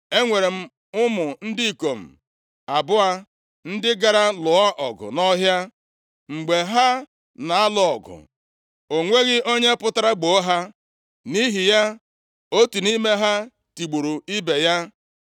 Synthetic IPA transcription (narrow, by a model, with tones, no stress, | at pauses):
e˦ŋʷe˨ɾe˨m̩˨ | ʊ˦mʊ˨n̩˦dɪ˦i˨ko˨m̩˨ | a˨bʊ˦a˦ | n̩˦dɪ˦ɡa˦ɾa˦lʊ˨a˦ʔɔ˨ɡʊ̰˨nɔ˦ɦja˦ | ŋ͡m̩˨ɡ͡be˨ɦa˦ | na˨a˦lɔ˨ɔ˨ɡʊ̰˨ | o˨ŋʷe˦ɣɪ˦ʔo˦ɲe˦pʊ˦ta˦ɾa˦ɡ͡bo˨ɔ˦ɦa˦ | ni˦ɦi˨ja˦ | o˦tu˨ni˦me˦ɦa˦ | ti˨ɡ͡bu˨ɾu˨i˦be˨ja˦